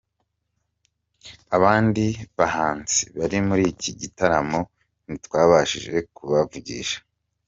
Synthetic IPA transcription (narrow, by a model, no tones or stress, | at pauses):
aβaːndiβahaːnt͡siβaɾimuɾiːciɟitaɾamo | nitwaːβaʃḭʒe̞kuβavuɟḭʃḁ